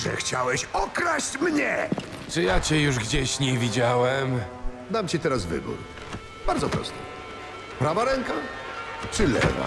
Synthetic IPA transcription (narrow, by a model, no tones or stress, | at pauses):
ʐɛ̰xt͡ɕawɛɕɔkɾaɕt͡ɕmɲɛ | t͡ʂɨjat͡ɕɛjuʐɡd͡ʑeɕɲɛvʲid͡ʑawɛm | d̪amt͡ɕit̪ɛɾasvɘ̰bṵɾ | b̥aɾd̪zɔpɾɔ̰st̪ɛ | pɾavaɾɛŋka | t͡ʂɨlɛ̰va̰